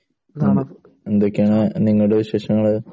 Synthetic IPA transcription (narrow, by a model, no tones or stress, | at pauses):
end̪okʲːejaːɳɨniŋːɐɭuɽeɕe̞ːʂɐŋːɐɭ